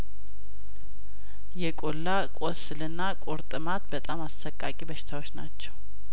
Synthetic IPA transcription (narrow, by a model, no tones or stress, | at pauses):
jɛkʼolːakʼosɨlɨnːakʼoɾt̪ʼɨmat̪bət̪ʼamasfəkʼːakʼibəʃɪ̥t̪ʰawo̞t͡ʃːnat͡ʃːɛw